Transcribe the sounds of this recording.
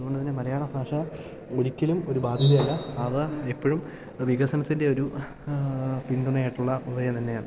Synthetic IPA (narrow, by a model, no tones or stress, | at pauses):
ɐðuɣo̞ɳɖɐt̪inːemɐɾɐjaːɳɐbʱaːʂɐ | o̞ɾikʲːɐlumo̞ɾubaːd̪ʱjiðɐjɐlːɐɐʋɨepːoɻum | ʋiɣɐsɐnɐt̪ːinde̞o̞ɾu | pind̪uɳɐjaːjiʈːuɭːɐubɐjɐmt̪ɐnːe̞jaːɳɨ